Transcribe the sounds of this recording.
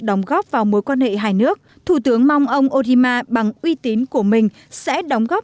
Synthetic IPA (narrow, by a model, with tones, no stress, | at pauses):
ɗə˨˦wŋ͡mɣɔ˦˥p̚vaː˨˩wmo˨˦jkwaː˧nhḛ˧˨ɦaː˧˩jnɨ˦˥ək̚ | t̪ʰu˧˩t̪ɨ˨˦əŋma˧wŋ͡mʔə˧wŋ͡mʔo˧zi˧maː˧ɓa˨˩ŋʔwi˧t̪i˨˦nku˧˩əmï˨˩ŋ̟ | sɛ̰˧˥ɗə˨˦wŋ͡mɣɔ˦˥p̚